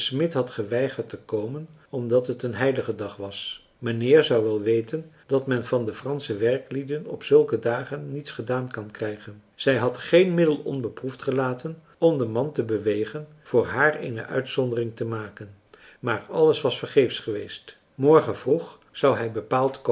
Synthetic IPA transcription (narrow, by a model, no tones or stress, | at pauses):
smɪtɦɑtχəʋɛjχəɹtəkowmən | ɔmdɑtɦətənɦɛjləχədɑχʋɑs | manɪːɹzɑwʋɛlˠʋejtən | d̥ɑtmɛnvɑndəfrɑnsəʋɛrklidənɔ̰psɵlˠkədaːχənːitsχədaːnkɑnkrɛjχənz̥ɛjɦɑtχejnmɪdəlˠɔ̰nbəpruftχəlaːtən | ɔmdəmɑntəbəʋejχən | v̥ʊːɹɦaːɹḛjnə̰ʔœ̰ɥtsɔndərɪŋtəmaːkən | maːrɑləsʋɑsfəɹχejfsχəʋejst | mɔɹχənvruχ | z̥ɑwɦɛjbəpaːlˠtko